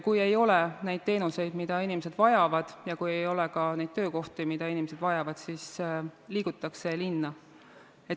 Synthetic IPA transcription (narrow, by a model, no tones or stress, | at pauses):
kuje̞jo̞lɛne̞jd̥̪̚t̪e̞ːnuse̞jd̪̥mid̪̥ɑinimese̞d̪̥vɑjɑvɑd̪̥jɑkuje̞jo̞lɛkɑne̞jd̪̥̚t̪ø̞ːko̞ht̪imid̪̥ɑinimese̞d̪vɑjɑvɑd̪̥siːsliːɡ̥ut̪ːˑɑkse̞linːɑ | et̪